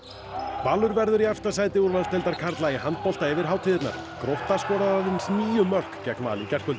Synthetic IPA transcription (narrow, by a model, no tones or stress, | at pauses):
vaːlʏɾvɛɾðʏɾiɛft̪as̬aːjt̪ɪuɾvalt̪ɛlt̪aɾ̥kʰaɾt̪laiɦant̪̚pɔlt̪aɛvɪɾ̥ɦaːwt̪ʰɪðɪt̪na̰ɾ̥kɾɔht̪askɔːɾaðaðɪnsniːjʏmœr̥kcɛknma̰ːlicɛr̥kʰvʏlt̪ɪ